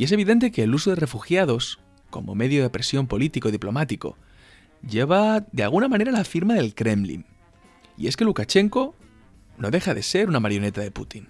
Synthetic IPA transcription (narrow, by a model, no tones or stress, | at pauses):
ie̞se̞β̞iðe̞nt̪e̞ke̞ːlusoðere̞fuxjað̞o̞s | ko̞̰mo̞̰me̞ðjo̞ðepɾe̞sjo̞mpo̞lit̪iko̞ðiplo̞mat̪iko̞̰ | ɟ͡ʝe̞βaðealɣ̞unamãne̞ɾalafiɾmaðe̞lkɾe̞mlḭŋ | ḭe̞ske̞lukat͡ʃe̞ŋko̞ | no̞ðe̞xaðe̞̰se̞ɾunamaɾjo̞ne̞t̪aðe̞pṵt̪in